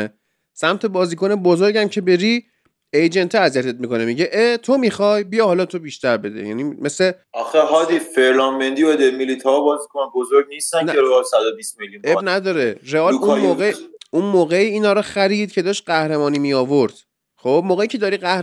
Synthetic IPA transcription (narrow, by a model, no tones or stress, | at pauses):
e | sæmt̪ʰe̞bɒːziːko̞nebozoɾɟæmcʰe̞be̞ɾi | ejd͡ʒent̪ʰeæzijæt̪ʰe̞t̪̚miko̞nemiɟeʔet̪ʰomixɒːjbijɒhɒːlɒt̪ʰo̞biːʃt̪æɾbe̞d̪ḛjæ̰nimeseɒxeɦɒːd̪ifeɾlɒnbend̪iod̪emilit̪ʰɒbɒːzikʰonbozoɾɟnist̪ænneɾeɒːlsæd̪obismeljunebnæd̪ɒːɾeɾeɒːluoːɡeunmoːɣeiːiːnɒːɾɒxæɾiːd̪̚cʰe̞d̪ɒːʃt̪̚ɢæhɾe̞mɒːnimiɒːvoɾd̪̥ | χob̚moːɣeiːcʰe̞d̪ɒːɾiɢæhɾ